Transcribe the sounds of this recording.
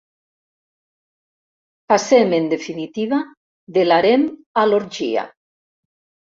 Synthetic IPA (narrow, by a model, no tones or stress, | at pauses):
pasemend̪efinit̪iβa | ðelaɾemaloɾd͡ʒḭa̰